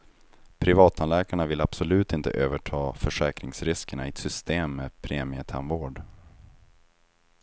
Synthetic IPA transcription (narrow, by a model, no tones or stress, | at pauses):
pʰɾɪvɑːt̪ʰːanlɛːkaɳavɪlab̥sɔlʉ̟ːt̪ɪnt̪ə̰ʔøːvəʈʰɑːfœʂɛːkɾɪŋsɾɪskəɳaɪt̪sʏst̪eːmːɛpʰɾeːmɪət̪ʰɛ̰nvoːɖ